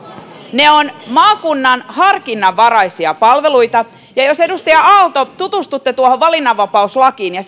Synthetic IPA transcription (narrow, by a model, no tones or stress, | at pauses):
neonmɑːkunːɑnhɑrkinːɑʋːɑɾɑjsiɑpɑlʋeluit̪ɑ | jɑjosedust̪ɑjɑɑlt̪ot̪ut̪ust̪ut̪ːet̪uohoʋʋɑlinːɑʋːɑpɑuslɑkiːnjɑ